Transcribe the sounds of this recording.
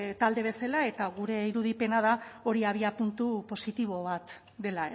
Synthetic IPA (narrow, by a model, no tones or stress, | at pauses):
t̪ald̪e̞β̞e̞salae̞t̪aɣuɾe̞iɾuðipe̞naðao̞ɾiaβ̞iapunt̪upo̞sit̪iβ̞o̞β̞at̪ | d̪e̞lae